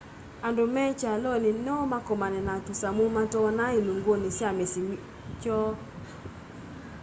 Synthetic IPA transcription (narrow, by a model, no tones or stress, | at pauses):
andomɛt͡ʃalɔnɪnɔmakɔmanɛnatusamomatɔnailuŋɡwonisamesim | t͡ʃɔ